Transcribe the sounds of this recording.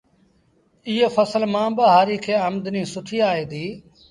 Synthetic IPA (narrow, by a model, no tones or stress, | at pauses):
iːeːfəsəlmãːbəɦaːɾiːkʰeːəmd̪nĩːsʊʈʰiːaːeːd̪iː